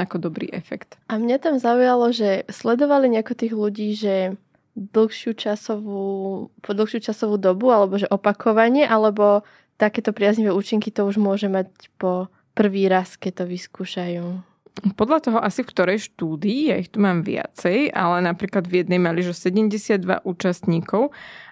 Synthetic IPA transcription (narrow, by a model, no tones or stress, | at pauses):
akɔd̪ɔbɾḭːʔɛfɛkt̪ʔamɲat̪amzaujalɔʒɛslɛd̪ɔʋaliɲɛakɔt̪iːɣluɟiːʒɛ | d̪l̩ˠxʃɪut͡ʃasɔʋuːpɔd̪l̩ˠxʃjuːt͡ʃasɔʋuːd̪ɔbualɛbɔʒɛʔɔpakʰɔʋaɲɪɛʔalɛbɔ | t̪akɛːt̪ɔpɾɪazɲiʋɛːuːt͡ʃiŋkit̪ɔuʒmʊɔʒɛmac | pɔ | pr̩ʋiːɾaskɛct̪ɔʋiskuːʃajuː | pɔd̪ʎat̪ɔɦɔʔasifkt̪ɔɾɛjʃt̪uːd̪iːjaixt̪umaːmʋɪa̰t͡sɛja̰lɛnapɾiːklad̪vjɛd̪nɛjmaliʒɔsɛɟɛmɟɛsɪad̪ːʋa̰ʔuːt͡ʃast̪ɲiːkɔʊ